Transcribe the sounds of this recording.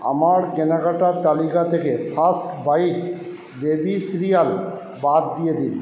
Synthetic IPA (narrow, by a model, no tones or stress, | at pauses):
a̰maɾkɛnaɡaʈat̪alikat̪ʰekepʰasʈbajk | bebisiɾijal | bat̪̚d̪ijed̪in